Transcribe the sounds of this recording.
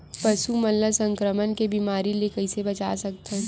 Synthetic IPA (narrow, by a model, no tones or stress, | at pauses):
pɐʃumɐlːəsɐ̃ŋkɾəmənkebimaːɾilekɐɪsebɐt͡ʃaːsɐk̚t̪eɦɛ